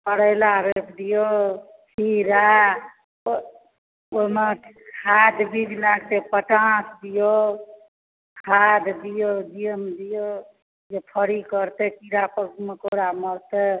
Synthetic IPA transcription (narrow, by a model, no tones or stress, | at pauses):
pəɽəɪlaɾepʰd̪ijo | kʰiɾa | ome | kkʰad̪bibʱinakt̪epəʈãsd̪ijo | kʰad̪d̪ijod͡ʒijəmd̪ijo | d͡ʒepʰəɾikəɾt̪ekiɾapəɡmekoɾaməɾt̪e